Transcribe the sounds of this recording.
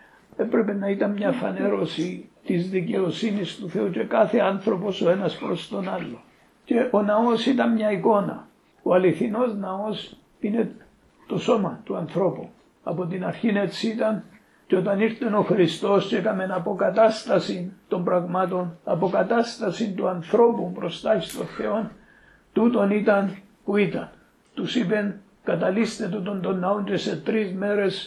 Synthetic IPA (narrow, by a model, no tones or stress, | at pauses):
e̞pɾe̞pe̞nɐit̪ɐnmɲɐfɐ̰ne̞ɾo̞sit̪izðice̞osinist̪uθe̞uce̞kɐθe̞anθɾo̞po̞so̞e̞nɐspɾo̞st̪o̞nɐlːo | ce̞ʔo̞nɐo̞sit̪ɐnmɲɐiko̞nɐ̰ | oɐliθino̞znɐo̞s | ine̞ | t̪o̞so̞mɐt̪uɐnθɾo̞pu | ɐ̰po̞t̪inɐɾçine̞siit̪ɐn | t͡ʃeot̪ɐniɾt̪e̞no̞xɾist̪o̞st͡ʃekame̞napo̞kat̪ast̪ɐsint̪o̞mbɾaɣmat̪o̞nɐ̰pokat̪ast̪ɐsint̪uanθɾo̞pumpɾost̪açist̪o̞nθeon | t̪ut̪o̞nit̪ɐn | puit̪ɐn | t̪usipen | kat̪alist̪e̞t̪ut̪o̞nt̪onːaont͡ʃeset̪ɾizme̞ɾes